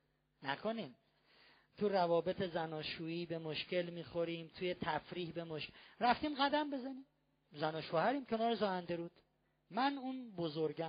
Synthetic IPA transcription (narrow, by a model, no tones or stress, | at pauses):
næ̰kʰoniːm | t̪ʰuɾævɒːbe̞t̪ʰe̞zænɒːʃuːiːbe̞moʃce̞lmiːxoɾiːmt̪ʰujet̪ʰæfɾiːhbe̞moʃɾæft̪iːmɢæd̪æmbe̞zæniːm | zænɒːʃoːhæɾiːmcʲʰenɒːɾezɒːhænd̪eɾuːd̪̥ | mænunbozoɾɡæ